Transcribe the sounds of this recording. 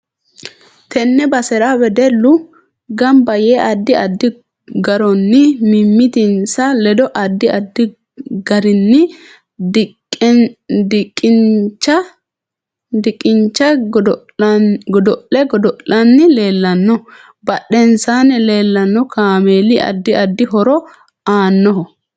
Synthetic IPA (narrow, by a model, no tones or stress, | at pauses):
t̪ʰɛnːɛbɐsɛɾawɛd̪ɛlːʊ | ɡɐmbɐjeːʔɐd̪ːɪɐd̪ːɪ | ɡɐɾɔnːɪmɪmːɪt̪ɪnsɐlɛd̪ɔʔɐd̪ːɪɐd̪ːɪ | ɡɐɾɪnːɪ | d̪ɪkʼːɪt͡ʃːɐ | d̪ɪkʼːɪɲt͡ʃːɐ | ɡɔd̪ɔʔɛɡɔd̪ɔlɐnːɪleːlːɐnːɔ | bɐɗɛnsaːnɛle̞ːlːɐnːɔkaːmeːlɪʔɐ̰d̪ːɪɐd̪ːɪɦɔɾɔ | aːnːɔɦɔ